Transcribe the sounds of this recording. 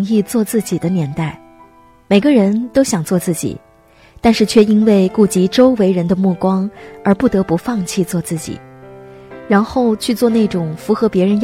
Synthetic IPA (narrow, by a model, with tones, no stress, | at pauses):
ŋi˥˧t͡swɔ˥˧t͡sɹ̩˥˩t͡ɕi˨˩d̪ə˦njɛ˧˥nt̪a˥˩ɪ | me˨˩ɪɡə˦ɻə˧˥nt̪o˥ʊɕjɑ˨˩ŋt͡swɔ˥˧t͡sɹ̩˥˩t͡ɕḭ˨˩˦ | t̪a˥˧nʂɻ̩˥˧t͡ɕʰɥɛ˥˩i˥nwe˥˩ɪku˥˩t͡ɕi˧˥ʈ͡ʂo˥ʊwe˧˥ɪɻə˧˥nd̪ə˧mu˥˩kwɑ˥ŋə˞˧˥pu˥˩t̪ɤ˧˥pu˧˥fɑ˥˧ŋt͡ɕʰi˥˧t͡swɔ˥˧t͡sɹ̩˥˩t͡ɕḭ˨˩˦ | ɻa˧˥nxo˥˧ʊt͡ɕʰy˥˧t͡swɔ˥˧ne˥˩ɪʈ͡ʂʊ˨˩ŋfu˧˥xɤ˧˥pjɛ˧˥ɻə˧˥n